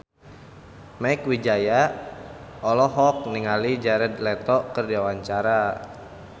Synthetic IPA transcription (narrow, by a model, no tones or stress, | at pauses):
maikwid͡ʒaja | ɔlɔɦɔk̚niŋalid͡ʒaɾɛd̪lɛt̪ɔkərdiawaɲt͡ʃaɾa